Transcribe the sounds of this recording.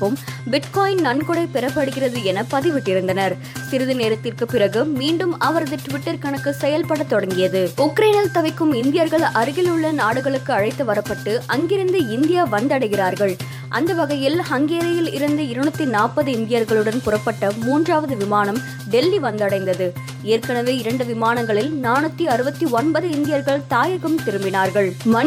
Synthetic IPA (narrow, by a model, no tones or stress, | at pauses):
pːɯmbɪʈkoːjɪnnɐɳkɔɽɐɪpɛɾɐpːɐɽɯɣɪrɐðɯɛnɐpɐðɪʋɪʈːɪɾɯnd̪ɐnɐɾ | sɪɾɯðɯneːɾɐt̪ːɪrkɯpːɪrɐɣɯmiːɳɖɯmɐʋɐɾɐðɯʈʊʋɪʈːɐɾkɐɳɐkːɯsɛjɐlpɐɽɐt̪ːɔɽɐŋɡɪjɐðɯʊkːɾeːnɐlt̪ɐʋɐɪkːɯmɪnd̪ɪjɐɾɣɐɭʔɐɾɯɣɪlɯɭːɐnaːɽɯɣɐɭɯkːɯɐɻɐɪt̪ːɯʋɐɾɐpːɐʈːɯʔɐŋɡɪɾɯnd̪ɯɪnd̪ɪjaːʋɐnd̪ɐɽɐɪɣɪraːɾɣɐɭ | ʔɐ̰nd̪ɐʋɐɣɐjɪlhɐŋɡeːɾɐjɪlɪɾɯnd̪ɯɪɾɐɳɯt̪ːinaːpːɐðɯɪnd̪ɪjɐɾɣɐɭɯɽɐnpʊrɐpːɐʈːɐmuːndraːʋɐðɯʋɪmaːnɐm | ɖɛlːiʋɐnd̪ɐɽɐɪnd̪ɐðɯ | eːɾkɐɳɐʋeːɪɾɐɳɖɯʋɪmaːnɐŋɡɐɭɪlnaːnɯt̪ːiɐɾɯbɐt̪ːiɔnbɐðɯɪnd̪ɪjɐɾɣɐɭt̪aːjɐɣɯmt̪ɪɾɯmbɪnaːɾɣɐɭmɐ